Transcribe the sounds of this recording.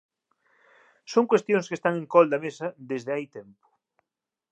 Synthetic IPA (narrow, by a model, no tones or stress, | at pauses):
soŋkwest̪jõŋskest̪aŋẽŋkɔld̪ɐmesɐd̪ezðeajt̪ɛmpʊ̥